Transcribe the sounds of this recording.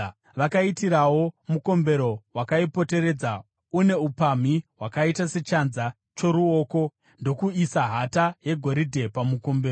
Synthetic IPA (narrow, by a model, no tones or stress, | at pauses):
ʋakaitiɾawo̞muko̞mbe̞ɾo̞wakaipo̞te̞ɾed͡za | une̞upam̤iwakaitase̞t͡ʃanza | t͡ʃo̞ɾuo̞ːko̞ | ndo̞kuisaɦataje̞ɡʱo̞ɾidʱe̞pamuko̞mbeːro